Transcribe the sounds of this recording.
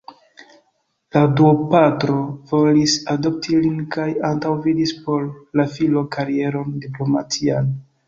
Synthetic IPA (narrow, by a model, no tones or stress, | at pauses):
laduopatɾo̞vo̞lisado̞p̚tʰilinkajantawvidispo̞lːafilo̞kaɾie̞ɾo̞ndiplo̞mat͡sian